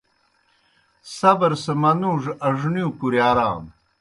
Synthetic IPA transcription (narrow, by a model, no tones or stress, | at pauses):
sɐbɐɾsemɐnuːʐɐʐniukuɾjaːɾa̰ːm